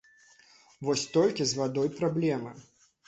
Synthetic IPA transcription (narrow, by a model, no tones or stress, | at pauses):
vɔsʲt̪ɔlʲkʲizvad̪ɔjpɾablʲɛmɨ